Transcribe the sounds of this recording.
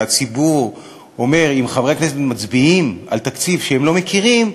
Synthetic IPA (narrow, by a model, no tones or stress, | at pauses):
at͡sibuʁ | o̞me̞ʁimχavʁeakneset̪mat͡sbiima̰lt̪akt͡sivʃeemlo̞mekʰiʁim